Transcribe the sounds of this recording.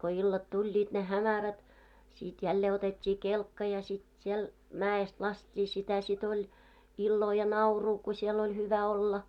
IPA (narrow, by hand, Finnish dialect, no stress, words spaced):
ko ilːɑt tulʲːiːt ne hæmæræt sit jælːeː otetʲːiː kelkːɑ jɑ sit siel mæːest lɑstʲːiː sitæ sit olʲ ilːoː jɑ nɑuruː ku siel olʲ hyʋæ olːɑ